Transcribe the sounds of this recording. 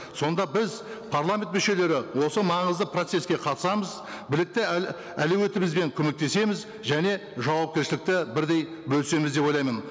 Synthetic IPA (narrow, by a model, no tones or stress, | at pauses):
so̞nd̪ɑbɪz | pʰarlˠamʲe̞nt̪mʏʃe̞le̞ɾɪwo̞səmɑɴəzd̪əpʰrot̪se̞skʲe̞qʰɑt̪ə̥sɑməz | bɪlɪk̚t̪ɪ | ælewe̞t̪ɪmɪzbe̞ŋkʲʰɵme̞k̚t̪e̞se̞mɪz | ʒæne̞ʒɑwɑp̚kʲeɾʃɪlɪk̚t̪ɪbɪɾd̪e̞j | bɵlse̞mɪzd̪e̞po̞jlˠɑjmən